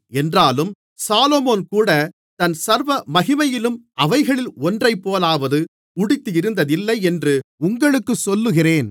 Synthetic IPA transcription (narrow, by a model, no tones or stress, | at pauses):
ɛndraːlɯm | saːloːmoːnkuːɽɐ | t̪ɐnsɐɾʋɐmɐɣɪmɐjɪlɯmʔɐʋɐɪɣɐɭɪlɔndrɐɪpːoːlaːʋɐðɯ | ʊɽɪt̪ːɯjɪɾɯnd̪ɐðɪlːɐɪɛndrɯʊŋɡɐɭɯkːɯsɔlːɯɣɪreːn